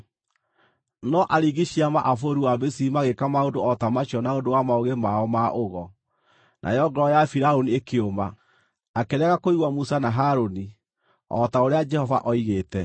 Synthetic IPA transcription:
nɔʔaɾiɣiɕiamaʔafoɾuwabesiimaɣekamaondoɔtamaɕɔnaodowamaoɣemaɔmaʔoɣɔ | nʔa̰jɔɡɔɾɔjafiɾaoniekeoma | akeɾɛɣakoiɣwamusanaɦaɾoni | ɔ̰taoɾead͡ʒɛhɔva̰ʔɔiɣetɛ

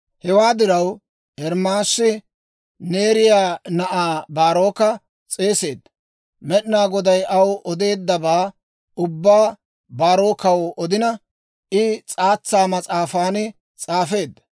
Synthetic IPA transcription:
hɛwaːd̪ɪɾɐw | ɛɾmaːsːɪ | ne̞ːɾɪjaːnɐʔaːbaːɾo̞ːkɐ | t͡sʼe̞ːse̞ːd̪ːɐ | mɛɗɪnaːɡɔd̪ɐjɐwʔɔd̪e̞ːd̪ːɐbaː | ʊbːaː | baːɾo̞ːkɐwɔd̪ɪnɐ | ɪt͡sʼaːt͡sːaːmɐt͡sʼaːfaːnɪ | t͡sʼaːfe̞ːd̪ːɐ̥

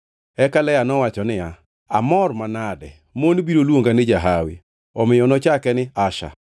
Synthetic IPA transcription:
ɛkalɛjanɔwat͡ʃɔnɪja | a̰mɔrmanadɛ | monbiɾolwoŋɡanɪd͡ʒaɦawɪ̰ | ɔmɪjɔnɔt͡ʃakɛnɪaʃa̰

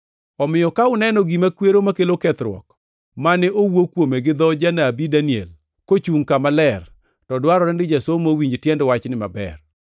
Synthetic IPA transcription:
ɔmɪjɔkaʊnɛnɔɡimakweɾomakelokɛt̪ɾwɔ̰k | manɛʔowokwomeɡɪd̪ɔd͡ʒanaːbidaniɛ̰l | kot͡ʃuŋkamalɛr | tɔdwaɾɔɾɛndɪd͡ʒasomowiɲd͡ʒtjɛndwat͡ʃnɪma̰bɛ̰r

